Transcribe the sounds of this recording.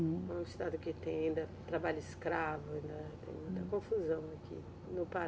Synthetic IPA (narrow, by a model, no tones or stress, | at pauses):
ɛ̃ɪst̪ad̪ʊkɪt̪ẽj̃aĩnd̪ɐt̪ɾabaʎʊɪskɾavʊaĩnd̪ɐt̪ḛ̃j̃mũj̃t̪ɐkõfuzɐ̃w̃akʰḭ | nʊpa